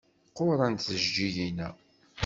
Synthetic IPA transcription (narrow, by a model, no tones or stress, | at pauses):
qːʊɾˤɑnθəʒd͡ʒijinæ